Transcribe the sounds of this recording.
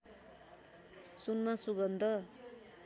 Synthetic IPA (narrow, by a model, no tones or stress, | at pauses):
sunmasuɡʌnd̪ʱʌ